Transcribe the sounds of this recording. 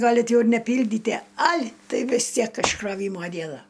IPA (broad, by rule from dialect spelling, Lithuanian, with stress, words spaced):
ˈɡɑːlʲɪt ˈjɛʊ ɪr nʲɛˈpʲiːlʲdʲiːtʲiɛ ɐlʲ ˈtɐɪ ʋʲɪs ˈtʲiɛk ɪʃkroːˈʋʲiːmoː ˈdʲiɛnɐ